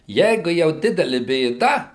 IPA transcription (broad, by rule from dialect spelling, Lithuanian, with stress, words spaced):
ˈjɛɪɡʊ jɛʊ ˈdʲɪdʲɛlʲɪ bʲeːˈdɐ